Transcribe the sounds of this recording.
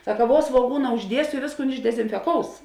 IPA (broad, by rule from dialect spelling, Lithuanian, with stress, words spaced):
ˈsɑːkɐ ˈʋuɔ sʋuɔˈɡuːnɐ ʊʒʲˈdʲiɛsʲoː ɪ ˈʋʲeːsˌkuːn ɪʒʲdʲɛzʲɪnʲfʲɛˈkoːʊs